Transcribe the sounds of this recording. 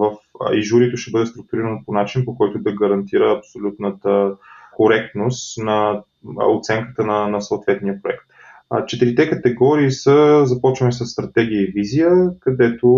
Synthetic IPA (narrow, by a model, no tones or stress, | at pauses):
vəfiʒuɾit̪oʃt̪ɛbɤd̪ɛst̪ɾʊk̚t̪uɾiɾənoponat͡ʃinpokɔjt̪ʊd̪ɐɡɐɾɐnt̪iɾəːpsolʲut̪nət̪əkoɾɛk̚t̪nost̪nɐ | ot̪sɛŋkə̥t̪ənɐnɐsoːt̪vɛt̪nijəpɾoɛkt̪ | t͡ʃɛt̪iɾit̪ɛkət̪ɛɡɔɾiːsəzɐpɔt͡ʃvɐnisəsːt̪ɾɐt̪ɛɡ̟iəivizijəkɐd̪ɛt̪o